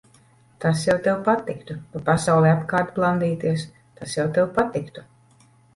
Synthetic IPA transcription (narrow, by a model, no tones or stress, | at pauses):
t̪asjawt̪ɛwpat̪ikt̪upapasawlˠɛapkaːɾt̪plˠand̪iːt̪iɛs | t̪asjawt̪ɛwpat̪ikt̪u̥